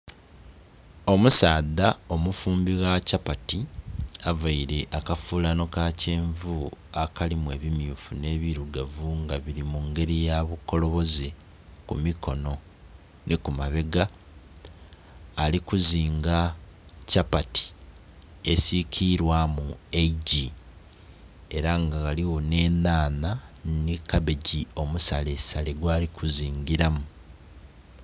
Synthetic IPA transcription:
o̞musaːd̪ao̞mufuːmbiɣacapatiavaiɾe̞ʔakafuːlano̞kaceːɱvuakalimwe̞ːβimjuːfune̞ːβiɾuɡavuŋɡaβiɾimuŋɡe̞ɾijaβuko̞lo̞βo̞ze | kumiko̞no̞ | nʔekumaβe̞ɡa | likuziːŋɡacapati̥ | e̞sikʰiɾwamueɟi | e̞ɾaŋɡaɣaliwo̞ne̞ːnaːnanikabe̞ɟio̞musalesaleɡwaːlikʰuziːŋɡiɾamu

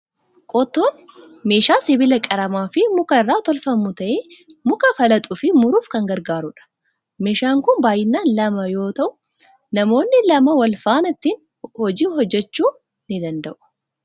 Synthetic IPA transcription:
kʼɔt̪ːoːn | me̞ːʃaːsɪbɪlɐkʼɐɾɐmaːfɪmʊkɐɪrːaːt̪ɔlfɐmːʊt̪ɐʔeːmʊkɐfɐlɐt̪ʼʊfɪmʊɾuːfkɐŋɡɐɾɡaːɾʊᶑɐ̥ | me̞ːʃaːŋkʊnbaːjɪnːaːnlɐmɐjo̞ːt̪ɐʔʊ̥ | nɐmo̞ːnːɪlɐmɐwɐlfaːnɐt̪ːiːn | hɔd͡ʒiːhɔd͡ʒːɛt͡ʃːuː | nɪd̪ɐnd̪ɐʔʊ̥

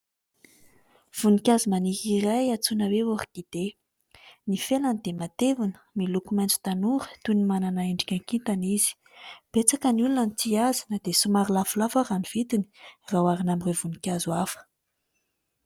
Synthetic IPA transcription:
v̥unikʲazumanikirajat͡sunaweoɾiɡid̪̥e | nifelanid̪̥emat̪evunə̥milukumant͡su̥t̪anuɾə̥t̪unimananaeɳɖ͡ʐikʲaŋkit̪anizi̥ | b̥et͡sakənulunanit̪iazinəd̪̥esumaɾilafulafaraniv̥it̪ini̥rawaɾinamirevunikʲazuafə̥

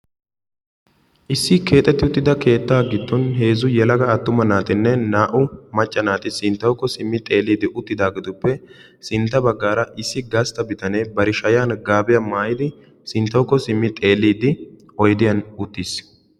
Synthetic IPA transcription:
ʔɪsːɪke̞ːt̪ʼːɛt̪ːɪʊt̪ːɪd̪ɐke̞ːt̪ːaːɡɪt̪ːɔnɦe̞ːzʊjɛlɐɡɐːt̪ːʊmɐnaːt̪ɪnːɛnaːʔʊmɐt͡ʃʼːɐnaːt̪ɪsɪnt̪ːɐwkːɔsɪmːɪt̪ʼe̞ːlːiːd̪ɪʔʊt̪ːɪd̪aːɡɪd̪ʊpːɛ | sɪnt̪ːɐbɐɡːaːɾɐʔɪsːɪɡɐst̪ɐbɪt̪ɐnebɐɾɪʃɐjaːnɡaːbɪjɐmaːjɪd̪ɪ | sɪnt̪ːɐwkːɔsɪmːɪt̪ʼe̞ːlːiːd̪ɪ | ɔjd̪ɪjɐnʊt̪ːiːs

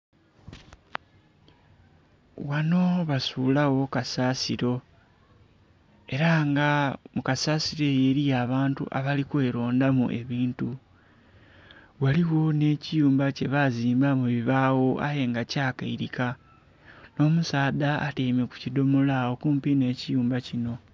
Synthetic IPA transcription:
wano̞βasuːlawo̞kasasiɾo̞ | e̞ɾaŋɡamukasaːsiɾe̞je̞ɾijaːβaːntṵʔa̰βalikwe̞ːɾo̞ːndamṵʔe̞βiːntu | waliwo̞ne̞ːcijuːmbace̞βaziːmbamuβiβaːwo̞ʔa̰je̞ŋɡacaːkaiɾika | no̞ːmusaːda̰ːtemeku̥cido̞molawokuːmpine̞ːcijuːmbacino̞

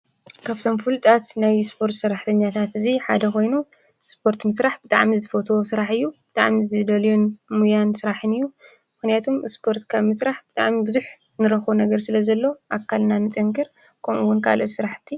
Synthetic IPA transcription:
kʰaβt̪ʰo̞mfɨlt̪ʼat̪najspʰo̞ɾt̪sɨrːaħt̪ʰɐɲːat̪ʰat̪ɨziħa̰d̪ɐkʰo̞jnu | spʰo̞ɾt̪mɨsɾaħbɨt̪ʼaʕmizɨfot̪ʰowosɨɾaħɨjːubɨt̪ʼa̰ʕmizɨd̪ɐljunmujansɨɾaħɨnɨjːu | mɨxnijat̪ʰumspʰo̞ɾt̪kʰaβmɨsɾaħb̥ɨt̪ʼaʕmibɨzuħ | nɨɾɐxunɐɡɐɾsɨlɐzɐlːo̞ʔakʰːalnanɨt̪ʼɨŋkɨɾ | kʰɐmʔuwːʊnkʰa̰losɨɾaħt̪ʰːi

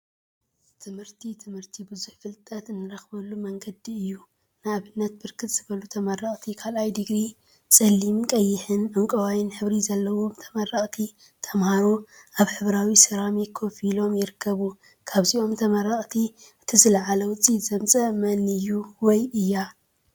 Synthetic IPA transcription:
t̪ʰɨmhɨɾt̪ʰit̪ʰɨmhɨɾt̪ʰibɨzuħfɨlt̪ʼɐt̪ɨnːɨɾɐxbɐlːumɐŋɡɐd̪iɨjːu | nɨaβɨnːɐt̪̚bɨɾkʰɨt̪z̥ɨβɐlut̪ʰɐmɐrɐχʼt̪ʰikʰalʔajd̪ɨɡɾi | sʼɐlːimkʼɐjːɪħɨnaŋkʼɐwajɪnħɨβɾizɐlːɐwo̞mt̪ʰɐ̥mɐrːɐχʼt̪ʰi | t̪ʰɐmhaɾuaβħɨβɾawisɨɾamikʰo̞filo̞mjɪɾɨkʰːɐβu | kʰaβziʔo̞mt̪ʰɐmɐɾɐχʼt̪ʰi | ɨt̪ʰizɨlɐʕalɐwʊt͡sʼːizɐmsʼɐmɐnɨjːuwɔjɨjːa

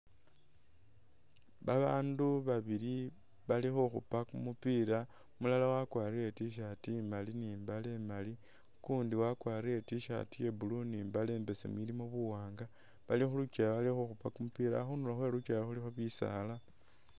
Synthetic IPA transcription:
βaβaːnduβaβili | βalixoxupakumupiːɾa | mulalawakwaːriɾe̞tiʃ̬atimaliniːmbale̞mali | kuːndiwakwaːriɾe̞tiʃa̰tije̞buluniːmbale̞ːmbe̞sḛmwilimoβuwaːŋɡa | βalixulut͡ʃajaβalixoxupakumupiɾa̰xunulaxwe̞ɾut͡ʃajaxulixoβisa̰la

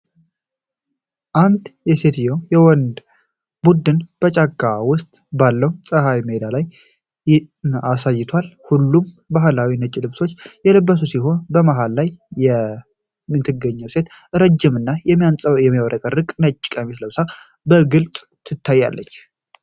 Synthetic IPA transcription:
ʔand̪jɛse̞t̪jojɛwɔnd̪ | bud̪ɨnb̥ət͡ʃʼaɡʼawʊst̪ʼbalːəwsʼəhajməed̪alaj | asajːɪt̪ʰwalhulːum | baɦɨlawinət͡ʃʼːilɨβso̞t͡ʃːjɛlɨbːəsusiɦo̞nbəmaɦalːajːɛ | mɨt̪ʰːɨɡːəɲːəwse̞t̪ɨɾəd͡ʒːɪmɨnːajɛianʼjɛmːiawɾʔəkʼərːɨkʼnət͡ʃʼːɪ̥kʼəmisləβsa | bəɡɨlt͡sʼt̪ʰɨt̪ʰːajːa̰lːət͡ʃː

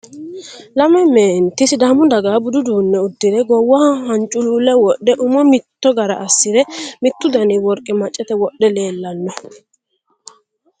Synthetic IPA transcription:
lɐmɛmeːnt̪ɪsd̪ɐmʊd̪ɐɡaːbʊd̪ʊd̪uːnːɛʊd̪ːɪd̪ɛɡɔwːɐhɐnt͡ʃʼːʊluːlɛwɔɗːɛʔʊmɔmɪt̪ːɔɡɐɾɐ̰ʔɐsːɪd̪ɛmɪt̪ːʊd̪ɐnɪwɔɾkʼːɪmɐt͡ʃʼːɛt̪ɛwɔɗːɛle̞ːlːɐnːɔ

